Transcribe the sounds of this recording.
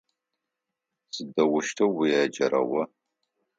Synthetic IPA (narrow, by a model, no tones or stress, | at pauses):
sɨdɐwʊʃtʰɐwːijaːd͡ʒɐɾɐ̰wɐ